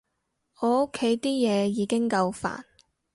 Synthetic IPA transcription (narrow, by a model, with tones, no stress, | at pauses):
ɔː˨˧o˥kʰːe˨˥jt̪iː˥jɛː˨˧jiː˨˧kɪ˥ŋkɐ˧wfa̰ː˨˩n